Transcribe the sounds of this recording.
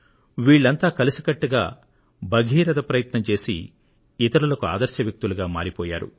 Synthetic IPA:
ʋiːɭːɐnt̪aːkɐlisikɐʈːuɡa̰ː | bʱɐɡʱiːɾɐd̪ɐpɾɐjɐt̪nɐmt͡ʃe̞ːsḭ | it̪ɐɾulɐkua̰ːd̪ɐɾʃjɐʋjɐk̚t̪uluɡaːma̰ːɾipɔːja̰ːɾṵ

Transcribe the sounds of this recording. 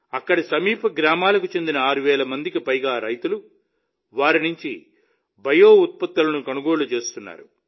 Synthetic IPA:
ɐkːɐɽisɐmiːpʰɐɡɾaːmaːlɐkut͡ʃe̞nd̪inɐaːɾuʋɛːlɐmɐnd̪ikipɐjɡaːɾɐjt̪ulu | ʋaːɾinuɲt͡ʃi | bɐjoːut̪̚pɐt̪ːɐlɐnukɐnuɡo̞ːɭut͡ʃe̞ːst̪unːa̰ːɾu

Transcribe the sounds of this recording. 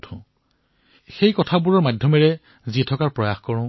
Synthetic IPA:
tʰʊ̃ | xejkɔtʰabuɹɔɹmadʱjɔmɛɹɛ | zitʰɔkaɹpɹɔjaxkɔɹɔ̃

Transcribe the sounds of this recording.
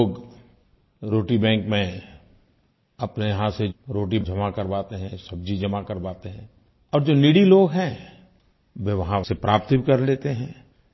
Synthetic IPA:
oːɡ | ɾoːʈibɛ̃ːŋkmẽ | ɐpnejɦãseɾoːʈid͡ʒɐmakɐɾbaːt̪eɦɛ̃sɐb̚d͡ʒʱid͡ʒɐmakɐɾbaːt̪eɦɛ̃ː | ɔːɾd͡ʒoːniɽiloːɡɦɛ̃ | ʋeʋɐɦãsepɾʔaːp̚t̪ikɐɾleːt̪eɦɛ̃ː

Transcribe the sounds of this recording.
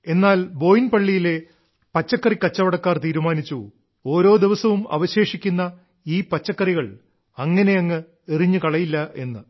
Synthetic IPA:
e̞nːaːlbo̞ːjinpɐɭːijile̞ | pɐt͡ɕːɐkːɐrikːɐt͡ɕːɐʋɐɽɐkːaːrt̪iːɾumaːnit͡ɕːu | o̞ːɾo̞ːd̪iʋɐsɐʋumɐ̰ʋɐɕe̞ːʂikʲːunːɐ | iːpɐt͡ɕːɐkːɐriɣɐɭ | ɐŋːɐne̞ɐŋːɨ | eriɲːukɐɭɐjilːɐʔe̞nːɨ

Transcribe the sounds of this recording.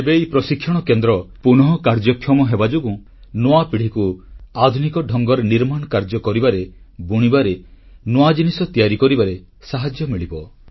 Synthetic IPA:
ebejpɾɔsikʰːjɔɽ̃ɔkend̪ɾɔpunɔɦɔkaɾd͡ʒɔkʰːjɔmɔɦebad͡ʒoɡu | noapiɽ̤ikuad̪ʱunikɔɖʱɔŋɡɔɾeniɾmaɳ̃ɔkaɾd͡ʒɔkɔɾibaɾebuɽ̃ibaɾe | noad͡ʒinisɔt̪ijaɾikɔɾibaɾe | saɦad͡ʒjɔmiɭibɔ

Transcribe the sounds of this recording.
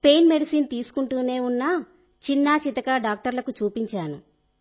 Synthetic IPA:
pe̞jnme̞ɖisiːnt̪iːsu̥kuɳʈuːne̞ːunːɐ | t͡ʃinːaːt͡ʃit̪ɐkaːɖaːk̚ʈɐɾlɐkut͡ʃuːpiɲt͡ʃaːnu

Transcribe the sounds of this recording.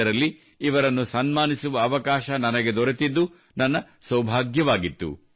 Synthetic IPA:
ɐɾɐlːiː | ʋɐɾɐnːusɐnmaːnisuʋɐːʋɐkaːʃɐnɐnɐɡed̪ɔɾet̪id̪ːu | nɐnːɐsɐwbʱaːɡjɐʋaːɡit̪ːṵ

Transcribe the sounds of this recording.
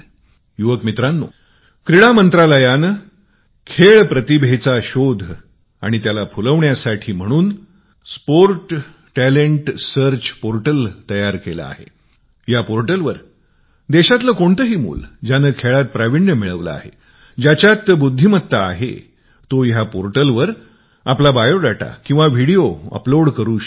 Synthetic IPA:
juʋəkmit̪ɾanːṵː | kɾiɽamənt̪ɾaləjan | kʰeɭpɾət̪ibʱet͡saɕod̪ʱ | a̰ɽ̃it̪jalapuləʋɳjasaʈʰiːm̤əɽ̃uːn | spoɾʈː | æleɳʈsəɾt͡ɕpoɾʈəlt̪əjaɾkela̰a̰ɦḛ | japoɾʈəlʋəɾ | d̪eɕat̪ləkoɳt̪əɦiːmṵːld͡ʑanəkʰeɭat̪̚pɾaʋiɳjəmiɭəʋla̰a̰ɦḛ | d͡ʑat͡ɕjat̪bud̪ʱːimət̪ːaːɦḛ | t̪ojapoɾʈəlʋəɾ | aplabajoɽaʈa̰kĩw̃ʋaʋiɽioə̰ploɽkəɾuːɕ

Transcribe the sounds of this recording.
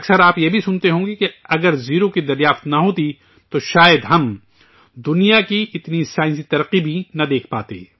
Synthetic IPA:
ɐksəɾaːpjebʱisʊnt̪eɦõːɡekeɐɡəɾziːɾokid̪ɐɾjaːft̪nɐɦoːt̪i | t̪oʃaːjəd̪ɦɐm | d̪ʊnijakiʔɪt̪nisaːɪns̬it̪ɐɾəqibʱinɐd̪eːkʰpa̰ːt̪ḛː

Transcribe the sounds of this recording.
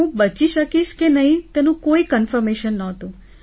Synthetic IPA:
ũbət͡ʃiʃəkiʃkenəɦĩt̪enũkoikənfəɾmeʃənːəɦət̪ũ

